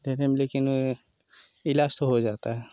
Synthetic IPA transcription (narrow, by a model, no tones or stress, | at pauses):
d̪ʱeɾemelekino | ilaːst̪oɦod͡ʒaːt̪aɦɛ